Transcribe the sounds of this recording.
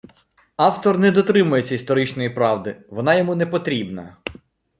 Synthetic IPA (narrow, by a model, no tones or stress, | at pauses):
ɑwt̪ɔrnɛd̪ɔt̪ɾɪmʊjet͡sʲːɐist̪ɔɾɪt͡ʃnɔjipɾɑʋd̪ɪʋɔnɑjɔmunɛpɔt̪ɾʲibnɐ